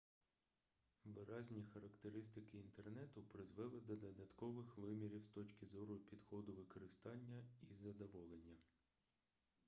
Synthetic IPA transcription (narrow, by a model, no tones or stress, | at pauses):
ʋɪɾɑzʲnʲixɐɾɐkt̪eɾɪst̪ɪkɪːnt̪ernɛt̪ʊpɾɪzʋɛlˠɪd̪ɔd̪ɔd̪ɐt̪kɔʋɪxʋɪmʲiɾʲiwst̪ɔt͡ʃʲkʲɪzɔɾʊpʲid̪xɔd̪ʊʋɪkɔɾɪst̪ɑnʲːɐizɐd̪ɔʋɔlˠenʲːɐ